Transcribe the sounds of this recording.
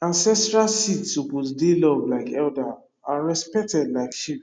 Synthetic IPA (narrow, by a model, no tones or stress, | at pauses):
ãnsɛstɹalsitsupotdelɔvlaɪkɛlda | aɹɛspɛk̚tɛdlaɪkʃi